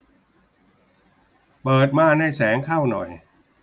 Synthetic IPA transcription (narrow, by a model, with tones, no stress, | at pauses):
pɤː˨˩t̪̚maː˧˥˩naː˥˩jsɛː˩˦ŋkʰa˥˩wnɔ̰˨˩j